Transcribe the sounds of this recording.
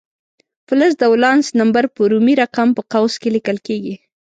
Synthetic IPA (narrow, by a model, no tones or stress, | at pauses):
fləs̬d̪awlɑnsnambaɾpəɾumiɾaqampəqawskelikəlkeɡi